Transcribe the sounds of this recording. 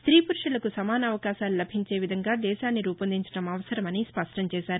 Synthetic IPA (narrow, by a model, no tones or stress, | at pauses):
st̪ɾiːpuɾʂɐlɐkusɐmaːnɐɐʋɐkaːʃaːlulɐbʱiɲt͡ʃe̞ːʋid̪ʱɐŋɡaːd̪ɛːʃaːnːiɾuːpɐnd̪iɲt͡ʃɐ̥ʈɐmɐʋɐsɐɾɐmɐnispɐʂʈʰɐmt͡ʃɛːʃaːɾu